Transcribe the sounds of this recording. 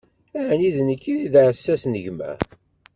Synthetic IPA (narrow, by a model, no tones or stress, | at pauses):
æʕniðnəkːiðiðʕəsːæsnəʝmæ̰